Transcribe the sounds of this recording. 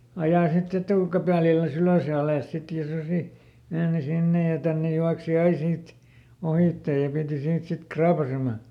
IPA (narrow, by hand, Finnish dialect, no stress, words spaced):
ɑjɑˑ sit etuˑkæpæˑlilːæs yløˑs jɑ ɑleˑs sit jɑ susi meːni sinːe jɑ tænːe juɑksi ɑi siːt ohiˑtːe jɑ piˑti siːt sit krɑːpɑsemɑ